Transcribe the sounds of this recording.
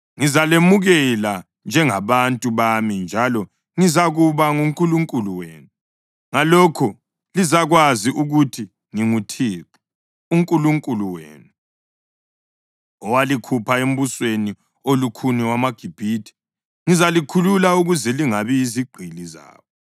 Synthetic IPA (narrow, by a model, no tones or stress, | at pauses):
ŋizalemuɣɛla | nd͡ʒʱɛŋaβantʼuβamind͡ʒʱalɔ | ŋizaɣuβaŋumkʼuluŋkʼuluwḛːnu | ŋalɔkʰɔ | lizaɣwaziʔuɣutʰi | ŋiŋutʰiːǁu̥ | uŋkʼuluŋkʼuluwḛːnu | ɔwalikʰupʰaem̩βusweni | olukʰuniwamaɡ̥ʱib̥ʱitʰi̥ | ŋizalikʰululauɣuzɛliŋaβiːziɡ͡ǃ̥ʱiliza̰ːβɔ